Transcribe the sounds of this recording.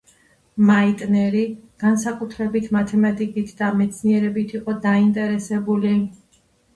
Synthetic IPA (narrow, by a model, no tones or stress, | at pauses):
mait̪ʼnɛɾiɡ̥ansakʼut̪ʰɾɛbit̪ʰmat̪ʰɛmat̪ʼikʼit̪ʰd̪amɛt̪sʰniɛɾɛbit̪ʰiqʼɔd̪aint̪ʼɛɾɛsɛbuli